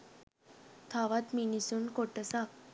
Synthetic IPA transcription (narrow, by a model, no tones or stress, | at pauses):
t̪ʰaʋat̪minisuːnkoʈəsa